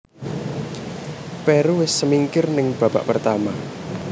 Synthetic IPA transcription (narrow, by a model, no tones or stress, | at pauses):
pɛɾuwɪsːəmiŋkɪrnɪŋb̥ä̤pa̰ʔpərt̪ama